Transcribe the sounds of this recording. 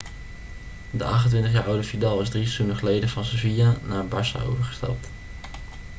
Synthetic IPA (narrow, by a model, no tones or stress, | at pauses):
dəʔɑχtəntʋɪntəχjaːʔɔwdəfidaːlˠɪzdrisunəχlejdəvɑnsovianaːɹbɑsa̰o̰wvəɹχə̥stɛ̰lˠt